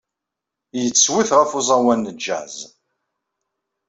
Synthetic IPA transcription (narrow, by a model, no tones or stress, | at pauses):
jət͡sːwiθʁæfʊzˤɑwænːəd͡ʒːæ̰ʕz